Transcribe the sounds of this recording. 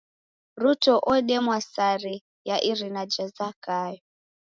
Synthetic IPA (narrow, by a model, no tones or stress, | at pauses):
ɾutɔʔɔɗɛmwasaɾi | jaʔiɾinad͡ʒazakajɔ